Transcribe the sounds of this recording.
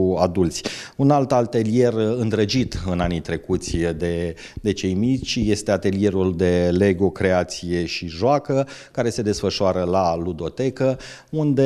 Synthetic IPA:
ad̪ult̪sʲunalt̪alt̪e̞lije̞rɨnd̪ɾəd͡ʒit̪ɨnanit̪ɾe̞kut̪sʲd̪e | d̪e̞t͡ʃe̞jmit͡ʃje̞st̪e̞at̪e̞lije̞ɾuld̪e̞le̞ɡo̞kɾe̞at̪sije̞ʃiʒoakəkaɾe̞se̞d̪e̞sfəʃoaɾəlalud̪o̞t̪e̞kə | und̪e̞

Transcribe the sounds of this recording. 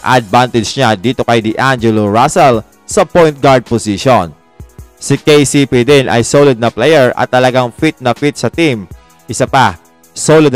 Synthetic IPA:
ʔɐd̪̚bant̪ɪd͡ʒɲad̪iːt̪o̞kɐjd̪ɪʔand͡ʒɛloɹasɛl | sɐpojnt̪̚ɡaɹd̪̚posiʃon | sɪkejsipid̪ɪnʔɐ̰jsolɪd̪̚nɐplɛjɛɹɐ̰t̪ːɐlɐɡaŋfit̪̚nɐfit̪̚sɐt̪im | ʔɪsapa | solɪd̪

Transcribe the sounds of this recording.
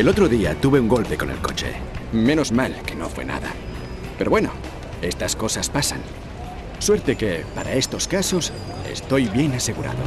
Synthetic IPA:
e̞lo̞t̪ɾo̞ðiat̪uβe̞uŋɡo̞lpe̞ko̞nelko̞̰t͡ʃe̞̰mẽ̞no̞zmalke̞no̞fwe̞̰na̰ða̰ | pe̞ɾo̞βwe̞no̞̰ | e̞st̪asko̞saspasan | swe̞ɾt̪e̞ke̞paɾae̞st̪o̞skaso̞s | e̞̰st̪o̞jβje̞nase̞ɣuɾa̰ðo̞̰

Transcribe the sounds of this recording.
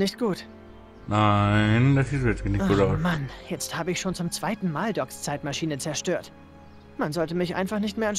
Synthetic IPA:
nɪçt̚ɡ̥uːt | naɪndasɪsɛt͡sɡənɪçuɾaʊmanjɛt͡sthaːbəɪçʃoːnt͡sʊmt͡sv̥aɪtn̩maːldɔkst͡saɪtmaʃiːnət͡sɛɐʃtøːɐt | manzɔltəmɪçʔa̰ɪnfaχnɪçtmeːɐan

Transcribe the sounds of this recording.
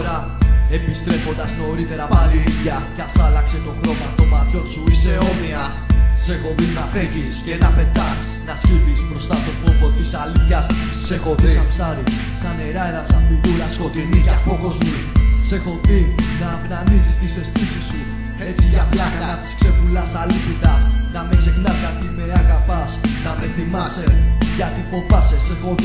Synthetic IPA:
ɾɐ | e̞pist̪ɾe̞fo̞nd̪ɐzno̞ɾit̪e̞ɾɐpaɾiiʝɐcɐsɐlɐkse̞t̪o̞xɾo̞mɐft̪o̞mɐt̪ço̞nsuiseo̞miɐ | se̞ɣo̞vinɐfeʝiscenɐpe̞d̪ɐs | nɐscipispɾo̞st̪ɐt̪o̞popot̪isɐliθçɐs | seɣo̞ðiisɐpsɐɾi | sɐne̞ɾɐenɐsɐnbuðulɐskot̪iniapokozmi | se̞ɣo̞ðinɐːpnɐnizist̪ise̞st̪isisu | et͡siʝɐplɐɐɐt̪i̥skse̞pulɐsɐliθit̪ɐnɐme̞kse̞knɐsɐt̪imeɾɐɣɐpɐsnɐme̞θimɐseʝɐt̪ifo̞vɐsesefo̞ð

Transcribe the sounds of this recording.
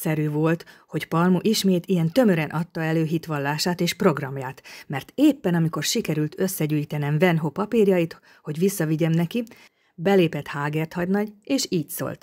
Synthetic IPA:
sɛɾyːvo̞lt̪ho̞cpɒlmuʔiʃmeːt̪ijɛnt̪ø̞møɾɛnʔɒt̪ːɒɛløːɦit̪ʋɒlːaːʃaːt̪eːʃpro̞ɡrɒmjaːt̪mɛrt̪eːpːɛnɒmiko̞rʃikɛɾylt̪ʰø̞sːɛɟyːjit̪ɛnɛɱvɛnɦopɒpiːrjɒjit̪ | ho̞ɟʋisːɒviɟɛmnɛki | bɛleːpɛt̪haːɡert̪hɒɟnɒɟeːʃiːcso̰lt̪

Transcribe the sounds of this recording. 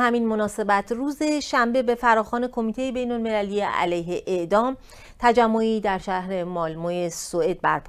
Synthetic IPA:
hæminmo̞nɒːse̞bæt̪ʰruːze̞ʃæmbe̞be̞fæɾɒːxɒːne̞kʰo̞miːt̪e̞jebe̞jnolme̞lælijeæ̰læjɦeʔeʔd̪ɒːm | t̪ʰæd͡ʒæmːoiːd̪æɾʃæhɾe̞mɒːlmoːjesoe̞ːd̪̥̚bæ̰ɾpʰ

